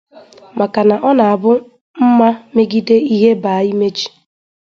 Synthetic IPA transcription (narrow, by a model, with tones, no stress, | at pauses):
mʔa˨ka˨na˨ʔɔ˦na˨a˨bʊ˦ | m̩˦ma˦me˦ɡi˦de˦i˦ɦe˦ba˨˦i˦me˦d͡ʒi̥˨